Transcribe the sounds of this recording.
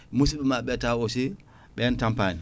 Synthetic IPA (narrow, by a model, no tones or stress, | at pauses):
mus̬iɓɛmaɓɛtawɔsi | ɓɛntampani